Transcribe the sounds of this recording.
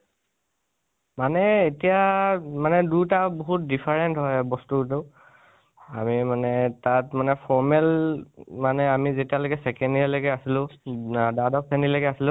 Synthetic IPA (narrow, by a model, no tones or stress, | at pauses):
manɛetijamanɛdutabɔɦut̚dipʰaɹɛntɦɔjbɔstutɛʊ | a̰mimanɛtatmanɛpʰɔɹmɛlmanɛamizetijalokɛsɛkɛndialoɡɛasilʊ̃dadɔk̚sɛndiloɡɛasilʊ̃